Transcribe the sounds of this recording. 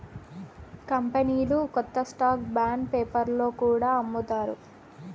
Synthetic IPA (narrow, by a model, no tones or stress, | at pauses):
kɐmpɐniːlukɔt̪ːɐsʈaːk̚baːɳɖpeːpɐɾlo̞ːkuːɽaːɐmːut̪aːɾṵ